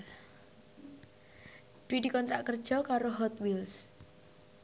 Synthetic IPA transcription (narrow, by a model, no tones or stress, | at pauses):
d̥uwid̥i̤kɔnt̪ɾaʔkərd̥ʒ̥ɔ̤kaɾoɦɔt̪wils